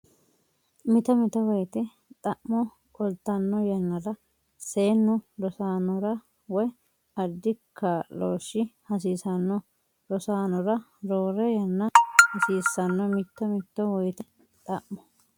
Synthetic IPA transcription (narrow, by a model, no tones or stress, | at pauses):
mɪt̪ɐmɪt̪ɔwɔjt̪ɛ | t̪ʼɐʔmɔ | kʼɔlt̪ːɐnːɔjɐnːɐɾɐ | se̞ːnːɔlɔsaːnɔɾɐ | wɔj | ɐd̪ɪkʰːaloːʃːɪhɐs̬iːsɐnːɔ | ɾɔsaːnɔɾɐ | ɾoːɾɛjɐnːɐhɐsiːsːɐnːɔmɪt̪ːɐmɪt̪ːɔwɔjt̪ɛ | t̪ʼɐʔmɔ̥